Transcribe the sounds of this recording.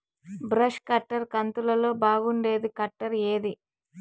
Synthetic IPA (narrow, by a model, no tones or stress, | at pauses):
bɾɐʃkɐʈːɐɾkɐnt̪ulɐlo̞ːbaːɡuɳɖe̞ːd̪ikɐʈːɐɾe̞ːd̪i